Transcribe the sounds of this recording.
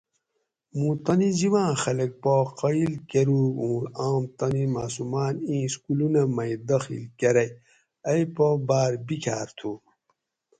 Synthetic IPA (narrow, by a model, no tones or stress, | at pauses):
mũt̪ɐniziwãːxɐlɐk̚poqɐilkeɾuũːaːmt̪ɐnimaːsumaːnĩːskulunɐmɐjd̪ɐxḭlkeɾɐj | ɐjpobaːɾbikʰaːɾt̪ʰu